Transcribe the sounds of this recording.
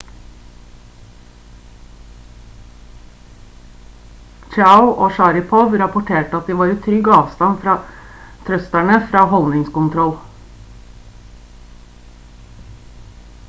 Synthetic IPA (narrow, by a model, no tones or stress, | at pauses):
t͡ʃaʊʔoːʃɑɾɪpʰɔʋɾɑpʊʈʰeːʈəɑt̪̚d̪iːʋɑːɾiːt̪ʰɾʏɡɑːʋst̪ɑnfɾɑː | t̪ʰɾœst̪æɳəfɾɑːhɔlnɪŋskʊnt̪ʰɾɔl